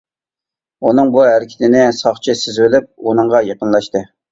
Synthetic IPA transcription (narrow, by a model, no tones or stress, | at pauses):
unɨŋbuɦæɾɪkʲʰɪ̥t̪ʰɪnɪsɑχt͡ʃʰisɪzwɪlɪp̚unɨɴʁɑjeqənlˠɑʃt̪ɨ